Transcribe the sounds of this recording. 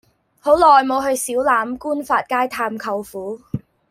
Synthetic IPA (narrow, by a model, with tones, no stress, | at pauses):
ho˨˥wlɔː˨jmo˨˧wɦɵ˧ɥsiː˨˥wlaː˨˧˥mkuː˥nfaː˧t̚kaː˥jt̪ʰaː˧mkʰɐ˧wfuː˨˥